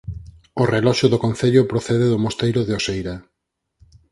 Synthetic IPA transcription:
orelɔʃʊðʊkõn̟θeʎʊpɾoθeðeðʊmost̪ejɾʊðeosejɾɐ

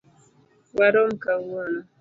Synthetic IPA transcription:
waɾom̩kawona

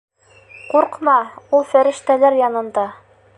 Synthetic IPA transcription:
quɾqmɑulˠfæɾɘ̆ʃt̪ælæɾjɑnɤ̆nd̪ɑ

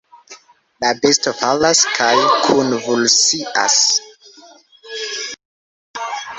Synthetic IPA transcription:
labestofalaskʰajkʰunvulsiʔa̰s

